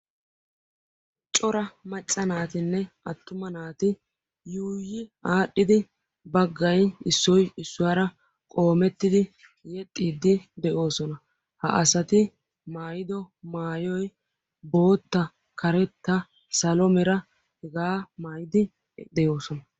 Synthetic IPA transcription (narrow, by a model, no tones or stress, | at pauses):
t͡ʃʼɔɾɐmɐt͡ʃʼːɐnaːt̪ɪnːɛ | ɐt̪ːʊmɐnaːt̪ɪ | juːjɪaːɗːɪd̪ɪ | bɐɡːɐjɪsːɔjɪsːʊwaːɾɐ | kʼo̞ːmɛt̪ːɪd̪ɪ | jɛt̪ʼːiːd̪ːɪd̪ɛʔo̞ːsɔnɐ | hɐ̰ʔɐsɐt̪ɪ | maːjɪd̪ɔmaːjɔj | bo̞ːt̪ːɐ | kɐɾɛt̪ːɐ | sɐlɔmɛɾɐ | hɛɡaːmaːjɪd̪ɪ | d̪ɛjo̞ːsɔnɐ